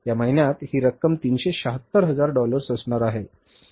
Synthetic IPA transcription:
jaməɦinjat̪hiːɾəkːəmt̪iːnɕeɕəɦət̪ːəɾɦəd͡zaɾɖɔləɾsəsɳaɾaɦe

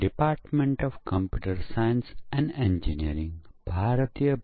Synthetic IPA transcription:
ɖipaːɾʈmẽɳʈɔʋkə̃mpjuːʈəɾsajə̃nsɛ̃ɳɖẽnd͡ʒiniəɾĩŋbʱaːɾət̪ijə

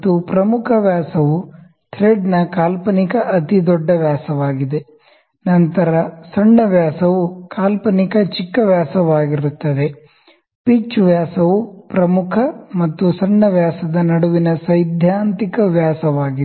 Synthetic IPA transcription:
t̪ːupɾɐmukʰɐʋjaːsɐʋu | t̪ʰɾeːɖnɐkaːlpɐnikɐʔɐt̪id̪ɔɖːɐʋjaːsɐʋaːɡid̪e̞ | nɐnt̪ɐɾɐsɐɳːɐʋjaːsɐʋukaːlpɐnikɐt͡ʃikːɐʋjaːsɐʋaːɡiɾut̪ːɐd̪e̞ | pit͡ʃʋjaːsɐʋupɾɐmukʰɐmɐt̪ːusɐɳːɐʋjaːsɐd̪ɐnɐɽuʋinɐsɐjd̪ʱjaːnt̪ikɐʋjaːsɐʋaːɡide

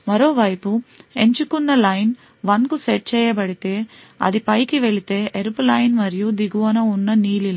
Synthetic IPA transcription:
mɐɾoːʋɐjpueɲt͡ʃukunːɐlɐjn | ʋɐnɡuseʈ̚t͡ʃɛjɐbɐɽit̪e | ɐ̰d̪ipɐjkiʋeɭit̪eʔeɾplɐjnʋɐɾjud̪iɡuʋɐnɐunːɐniːlilːɐ

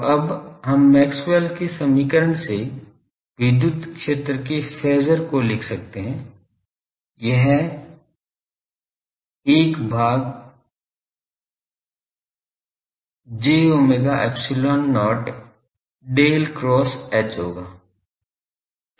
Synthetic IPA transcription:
ɐbɦɐmːɛːksweːlkesɐmiːkəɾəɳse | ʋɪd̪jʊd̪kʃeːt̪ɾəkefɛːzəɾkolɪkʰsɐk̚t̪eɦɛ̃ | jɛɦ | eːkbʱaːɡ | d͡ʒeːoːmeɡ̪aʔɛ̰ːpsɪloːnːɔːɾʈ | ɖeːlkɾɔːsɛːt͡ʃɦo̰ːɡaː

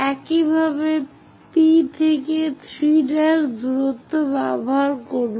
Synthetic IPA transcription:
ɛkibʱabe | pit̪ʰeket̪ʰɾiɖaɾd̪uɾot̪ːobɛbboɦaɾkoɾb

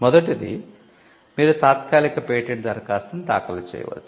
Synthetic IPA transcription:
mɔd̪ɐʈid̪ḭ | miːɾut̪aːt̪kaːlikɐpeːʈeɳʈzɐɾkaːst̪ɐmt̪aːkɐlɐt͡ʃɛ̰ːjɐ̰ʋɐ̰t͡ʃːu̥

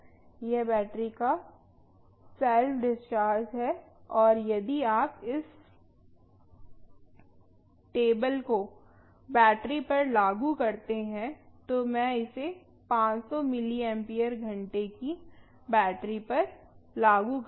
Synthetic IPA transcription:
jɛbɛːʈɾika | sɛlfɖɪst͡ʃaːɾd͡ʒɦɛɔːɾjɐd̪iaːpɪs | ʈeːbəlko | bɛːʈɾipɐɾlaːɡukɐɾt̪eɦɛ̃t̪omɛ̃ɪse | pãːt͡ʃsɔmɪliɛ̃mpiːəɾɡʱɐ̃ɳʈeki | bɛːʈɾipɐɾ | laːɡuk

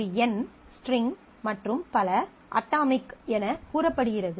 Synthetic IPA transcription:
ɛn | sʈrɪŋ | mɐʈrɯmpɐlɐ | ʔɐ̰ʈːaːmɪkːɛnɐkuːɾɐpːɐɽɯɣɪrɐðɯ

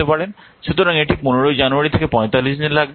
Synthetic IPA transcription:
epaɾen | ʃut̪oɾaŋeʈʰik̚ponoɾojd͡ʑanuaɾit̪ʰekepɔ̃jt̪alːiʃdilaɡ̚be

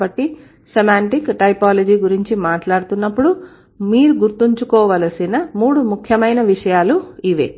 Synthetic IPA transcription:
bɐʈːi | semaːɳʈikʈɐjpaːlɐd͡ʒiːɡuɾiɲt͡ʃimaːʈlaːɽut̪unːɐpːuɽu | miːɾuɡuɾt̪iɲt͡ʃukɔːʋɐlɐsinɐmuːɽumukʰjɐmɐjnɐʋiʂɐjaːluiʋḛː

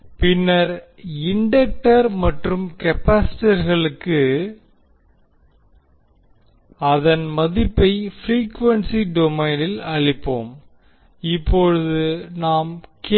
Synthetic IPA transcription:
pɪnːɐɾ | ɪɳɖɐk̚ʈɐɾmɐʈrɯmkɛpaːsɪ̥ʈɐɾɣɐɭɯkːɯ | ɐðɐnmɐðɪpːɐɪfɾiːkʋɐnsiɖɔmɐɪnɪlɐɻɪpːo̰ːm | ɪpːɔɻɯðɯnaːmk

